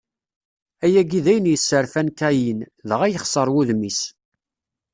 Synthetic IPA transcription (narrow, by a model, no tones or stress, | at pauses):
æjæɡiðæjənjəsːəɾfænk̪æjinðəʁæjəχsˤəɾˤwuðmis